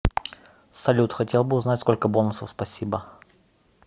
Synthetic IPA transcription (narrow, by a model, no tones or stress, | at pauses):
sɐlʲut̪xɐtʲelˠbɨʊznatʲsko̞lʲkəbo̞lnʊsəfspɐsʲibə